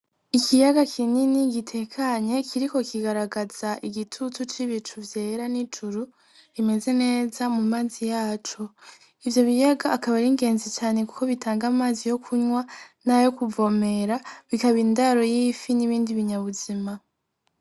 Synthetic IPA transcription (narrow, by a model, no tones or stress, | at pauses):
ikijaɡakʰininiɡitʰe̞kʰaɲe̞kʰiɾiko̞kiɡaɾaɡaz̥aʔiɡitʰutut͡ʃiβit͡ʃuvje̞ːɾanit͡ʃuɾu | ime̞ze̞ne̞ːzamumaːzijaːt͡ʃo | ivjo̞βijaɡaːkaβaɾiŋɡe̞ːnzit͡ʃaːne̞ku̥ko̞βitʰaːŋɡamaːzijo̞kʰuɲwanajo̞kuvo̞me̞ɾaβikaβindaɾo̞jifiniβiːndiβiɲaβuzima